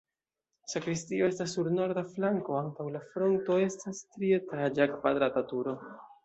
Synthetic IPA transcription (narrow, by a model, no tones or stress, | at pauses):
sakɾistioestasːuɾno̞ɾd̪aflaŋko̞antawlafɾo̞nto̞e̞stastɾie̞tad͡ʒakvadɾatatuɾo̞